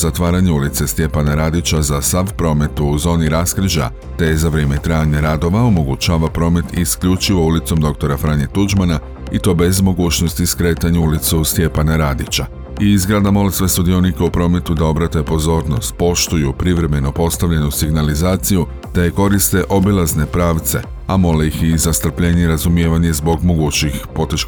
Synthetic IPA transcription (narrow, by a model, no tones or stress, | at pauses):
zat̪ʋaːɾaɲeulit̪se̞st̪je̞panaɾaːd̪it͡ɕazasaʋpɾo̞me̞t̪uːzo̞ːniɾaskɾ̩ʒa̰ | t̪ezaʋɾe̞ːmet̪ɾajaɲaɾad̪o̞ʋao̞mo̞ɡut͡ʃaːʋapɾo̞ːme̞t̪iskʎut͡ʃiʋo̞ulit̪so̞md̪o̞k̚t̪o̞ɾafɾaɲet̪ud͡ʒmana | it̪o̞ːbe̞zmo̞ɡuːt͡ʃno̞st̪iskɾe̞ːt̪aɲuulit̪sust̪je̞panaɾaːd̪it͡ɕa | iizɡɾad̪amo̞lesʋe̞sud̪io̞nikeupɾo̞ːme̞t̪ud̪ao̞bɾat̪uepo̞zo̞ːɾno̞st̪̚po̞ʃt̪ujupɾiʋɾe̞me̞no̞po̞st̪aʋʎe̞nusiɡnalizaːt̪siju | d̪̥ajeko̞ɾist̪e̞ʔo̞bilˠazne̞pɾaːʋt̪se̞̰ | amo̞leixizast̪r̩pʎe̞ːɲeɾazumije̞ːʋaɲe̞zbo̞ɡmo̞ɡuːt͡ɕixpo̞t̪eʃ